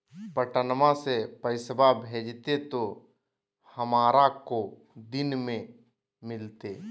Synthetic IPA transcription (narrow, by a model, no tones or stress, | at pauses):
pəʈənəmasepəɪsəbʱabʱeːd͡ʒt̪et̪o | hɐmaːɾako | d̪ɪnmẽ | mɪlt̪e